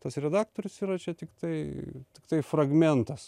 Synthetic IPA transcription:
t̪ɐsɾʲɛd̪ɑːkt̪oːɾʲʊsiːɾɐt͡ʃʲɛt̪ʲɪkt̪ɐɪt̪ʲɪkt̪ɐɪfrɐɡmʲɛnt̪ɐs

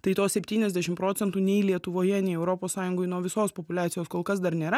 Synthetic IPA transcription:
t̪ɐɪt̪oːsʲɛpʲt̪ʲiːnʲɛzʲd̪ʲɛʃʲɪmpɾoːt̪sʲɛnt̪uːnʲɛɪlʲiɛt̪ʊʋoːjɛnʲɛɪɛʊɾoːpoːssɑːjʊŋɡoːɪnuɔʋʲɪsoːspopʊlʲæːt̪sʲɪjoːskoːlˠkɐs̬d̪ɐɾnʲeːɾɐ

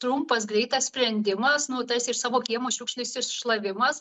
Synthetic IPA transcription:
t̪ɾumpɐsɡɾʲɛɪt̪ɐssʲpʲɾʲɛnʲd̪ʲɪmɐsnʊt̪ɐsʲɪɾsɑːʋoːkʲiɛmoːʃʲuːkʃʲlʲɪsʲɪʃlˠɐʋʲɪmɐs

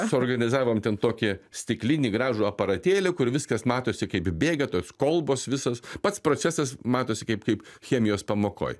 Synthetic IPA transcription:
sʊoːrɡɐnʲɪzɑːʋoːmt̪ʲɛnt̪oːkʲɪsʲt̪ʲɪklʲɪnʲiːɡɾɑːʒuːɐpɐɾɐt̪ʲeːlʲekʊɾʋʲɪskɐsmɑːt̪oːsʲɪkɐɪpbʲeːɡʲɛt̪oːskolˠboːsʋʲɪsɐspɐt̪spɾoːt͡s̪ʲæsɐsmɑːt̪oːsʲɪkɐɪpkɐɪpxʲeːmʲɪjoːspɐmoːko̰ːj

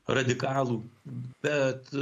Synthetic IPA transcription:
ɾɐd̪ʲɪkɑːlˠuːbʲɛt̪

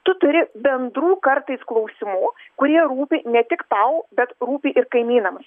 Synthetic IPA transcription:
t̪ʊt̪ʊɾʲɪbʲɛnd̪ɾuːkɐɾt̪ɐɪsklˠɐʊsʲɪmukʊɾʲiɛɾuːpʲɪnʲɛt̪ʲɪkt̪ɐʊbʲɛt̪ɾuːpʲɪʔɪɾkɐɪmʲiːnɐmɐs

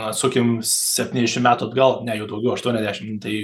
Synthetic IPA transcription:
ɐt̪suːkʲɪmsʲɛpʲt̪ʲiːnʲɛzʲd̪ʲɛʃʲɪmʲæːt̪ʊɐd̪ɡɐlˠnʲɛjɛʊd̪ɐʊɡʲɛʊɐʃt̪uɔnʲɛzd̪ʲæːʃʲɪmt̪ɐɪ

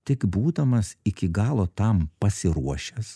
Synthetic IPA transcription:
t̪ʲɪkbuːd̪ɐmɐsɪkʲɪɡɑːlˠoːt̪ɐmpɐsʲɪɾuɔʃʲɛs

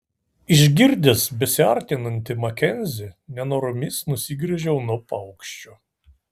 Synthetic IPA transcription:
ɪʒʲɡʲɪɾʲd̪ʲesbʲɛsʲɪɐɾʲt̪ʲɪnɐnʲt̪ʲɪmɐkʲɛnʲzʲɪnʲɛnoːɾʊmʲɪsnʊsʲɪɡɾʲɛʒʲɛʊnuɔpɐʊkʃʲt͡ʃʲoː

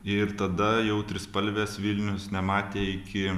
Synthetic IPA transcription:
ɪɾt̪ɐd̪ɐjɛʊt̪ʲɾʲɪspɐlʲʋʲeːsʋʲilʲnʲʊsnʲɛmɑːt̪ʲeːɪkʲɪ

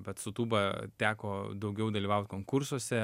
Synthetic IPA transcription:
bʲɛt̪sʊt̪uːbɐt̪ʲæːkoːd̪ɐʊɡʲɛʊd̪ɐlʲiːʋɐʊt̪ʲkoːŋkʊrsuɔsʲɛ

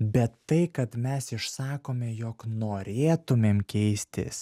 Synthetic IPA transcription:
bʲɛt̪ːɐɪkɐt̪mʲɛsɪʃsɑːkoːmʲɛjoːknoːɾʲeːt̪ʊmʲeːmkʲɛɪsʲt̪ʲɪ̰s

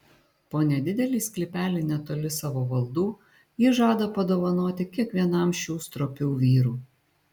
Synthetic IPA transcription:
poːnʲɛd̪ʲɪd̪ʲɛlʲiːsʲklʲɪpʲæːlʲɪnʲɛt̪oːlʲɪsɑːʋoːʋɐlˠd̪uː | jiːʒɑːd̪ɐpɐd̪oːʋɐnoːt̪ʲɪkʲiɛkʋʲiɛnɐmʃʲuːst̪ɾɔpʲuːʋʲiːɾuː

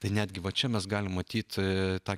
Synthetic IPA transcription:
t̪ɐɪnʲæːd̪ʲɡʲɪʋɐt͡ʃʲɛmʲɛsɡɑːlʲɪmmɐt̪ʲiːt̪t̪ɑː

